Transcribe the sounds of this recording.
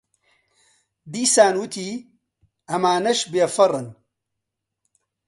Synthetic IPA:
d̪iːsaːnwut̪ʰi | ʔɐmaːnɐʃbjɐfɐrˤːɨn

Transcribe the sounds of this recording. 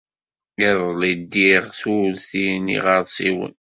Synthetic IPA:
jæðˤlid̪ːiʁθulθinḭʁɑɾsˤiwə̰n

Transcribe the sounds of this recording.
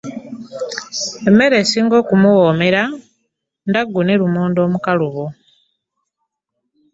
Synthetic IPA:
e̞mːe̞ɾe̞siːŋɡo̞ːkumuwoːme̞ɾa | ndaɡːuneɾumuːndo̞ːmukaluβo

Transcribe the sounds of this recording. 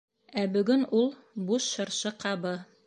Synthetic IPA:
æbɵ̆ɡɵnulˠ | buʃɤ̆ɾʃɤqʰɑβɤ

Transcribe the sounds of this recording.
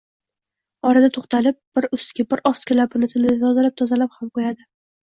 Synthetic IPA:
ɒɾad̪at̪ʰoχt̪alɪp̚b̥ɪɾʊst̪kʲɪbɪɾʔɒst̪kʲʰɪlapɪnɪt̪ʰɪlɪd̪at̪ʰɒzalap̚t̪ʰɒzalaphamqojad̪ɪ

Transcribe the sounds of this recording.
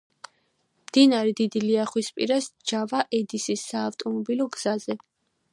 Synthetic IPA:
md̪̥inaɾɛd̪id̪iliaχwispʼiɾasd͡ʒavaʔɛd̪isisːaːft̪ʼɔmɔbilɔɡz̥azɛ

